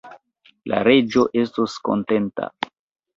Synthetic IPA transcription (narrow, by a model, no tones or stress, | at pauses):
la̰ɾe̞d͡ʒo̞ʔe̞stosko̰nte̞nta̰